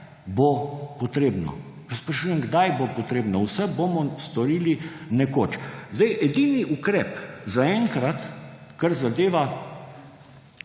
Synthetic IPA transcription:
bopɔt̪ɾeːbnɔ̰ | spɾaʃujɛmɡd̪ajbopɔt̪ɾeːbnɔwsɛbomɔst̪ɔɾiːlinɛkoːt͡ʃzd̪ɛjʔɛd̪iːniʔukɾɛːpzaɛŋkɾat̪kaɾzad̪eːʋa

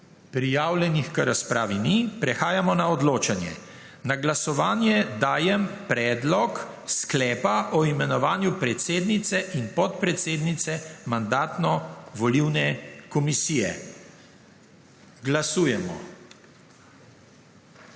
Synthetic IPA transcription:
pɾijaːwljɛnixkəɾaspɾaːʋinipɾɛxaːjamɔnaɔd̪loːt͡ʃanjɛ̰ | naɡlasɔʋaːnjɛd̪aːjɛmpɾɛːd̪lɔksklɛːpaʔɔimɛnɔʋaːnjupɾɛt̪seːd̪nit̪sɛʔinpɔt̪̚pɾɛt̪seːd̪nit̪sɛmand̪aːt̪nɔʋɔliwnɛkɔmisiːjɛ̰ | ɡlasuːjɛmɔ̰

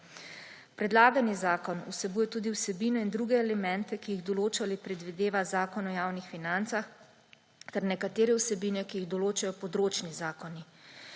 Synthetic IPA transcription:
pɾɛd̪laːɡanizaːkɔnṵsɛbuːjɛt̪uːd̪iwsɛbinɔind̪ɾuːɡɛːlɛmɛ̃nt̪ɛkijiɣd̪ɔloːt͡ʃalipɾɛd̪ʋid̪eːʋazaːkɔnɔjaːwnixfinant̪sax | t̪ɛɾnɛkat̪eːɾɛwsɛbiːnjɛkijiɣd̪ɔloːt͡ʃajɔpɔd̪ɾoːt͡ʃnizaːkɔni

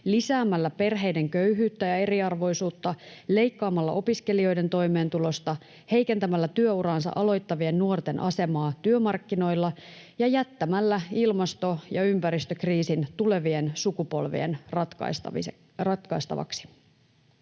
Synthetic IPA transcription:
lisæːmːælːæpe̞rɦe̞jde̞ŋkø̞yɦyːt̪ːæjɑe̞ɾiɑrʋo̞jsuːt̪ːɑle̞jkːɑːmɑlːɑ̰ʔo̞piske̞lio̞jde̞nt̪o̞jme̞ːnt̪ulo̞st̪ɑ | he̞jke̞nt̪æmælːæt̪yø̞uɾɑːnsɑ̰ʔɑlo̞jt̪ːɑʋie̞nːuo̞rt̪e̞nʔɑ̰se̞mɑːt̪yømɑrkːino̞jlːɑ | jɑjæt̪ːæmælːæilmɑst̪o̞jɑympæɾist̪økriːsint̪ule̞ʋie̞nsukupo̞̰lʋḭe̞̰nrt̪kɑ̰s | rɑt̪kɑist̪ɑ̰ʋɑ̰ksi̥

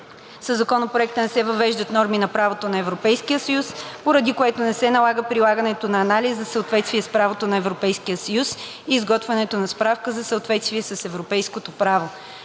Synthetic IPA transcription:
səzːɐkɔnopɾoɛk̚t̪ənɛsɛvɐvɛʒd̪ət̪nɔɾminɐpɾavot̪onɐɛvɾopɛjskijəsəjuspoɾəd̪ikoɛt̪onɛsɛnɐlˠaɡəpɾilˠaɡənɛt̪onɐːnalizzɐsəot̪vɛt̪st̪viɛspɾavot̪onɐɛvɾopɛjskijəsəjus | iːzɡɔt̪vɛnɛt̪onɐspɾafkəzɐsəot̪vɛt̪st̪vʲiɛsəsɛvɾopɛjskot̪opɾavo

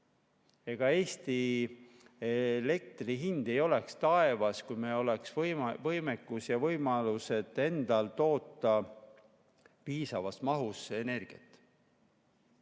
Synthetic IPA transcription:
e̞ɡ̥ɑe̞ːst̪i | ele̞k̚t̪riɦind̪̥e̞jo̞lekst̪ɑe̞vɑskujmelo̞leksvjvɤjmekːˑusjɑvɤ̞jmɑluse̞d̪̥e̞nd̪̥ɑlt̪o̞ːt̪ːˑɑ | piːsɑvɑsmɑɦusene̞rɡ̥iɑ̰t̪ːˑ

